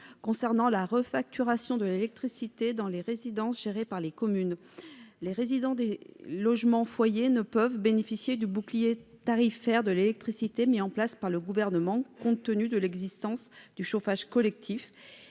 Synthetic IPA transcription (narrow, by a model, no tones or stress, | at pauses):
kɔ̃sɛʁnɑ̃laʁəfak̚t̪ʰyʁasjɔ̃d̪əlelɛk̚t̪χisit̪ed̪ɑ̃leʁezid̪ɑ̃sʒ̥eʁepaʁlekɔmyn | leʁezid̪ɑ̃d̪elɔʒmɑ̃fwajenəpœvbenefisjed̪ybuklijet̪aʁifɛʁd̪əlelɛk̚t̪χisit̪emiɑ̃plaspaʁləɡuvɛʁnəmɑ̃kɔ̃t̪ənyd̪əlɛɡzist̪ɑ̃sd̪̥yʃofaʒkɔlɛk̚t̪ʰif